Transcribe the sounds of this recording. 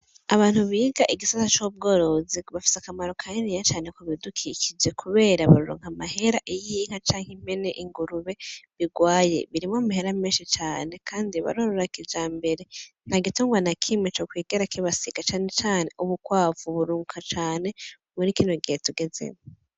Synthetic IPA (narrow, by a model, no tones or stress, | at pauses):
aβaːn̥huβiːɡaʔiɡisatat͡ʃob̚ɡo̞ːɾo̞ziβafi̥sakamaɾo̞kʰaninijat͡ʃaːne̞koβidukʰikid͡ʒe̞kʰuβe̞ːɾaβaɾoɾo̰ŋ̥hamaɦe̞ɾaʔijiŋ̥hat͡ʃaːŋhim̥e̞ne̞ʔiŋɡuɾuβe̞βiɡwaːje̞̰βiɾimamahe̞ɾameːnʃit͡ʃaːne̞kʰaːndiβa̰ɾoɾoɾakid͡ʒaːmbe̞ɾe̞n̥haɡituːŋɡwanakʰimet͡ʃokwiːɡeɾakiβasiɡ̥at͡ʃaːne̞t͡ʃaːne̞ʔuβukwaːvuβuɾuːŋkat͡ʃaːne̞ | munikiːnwoɡihetuɡe̞ze̞̰mo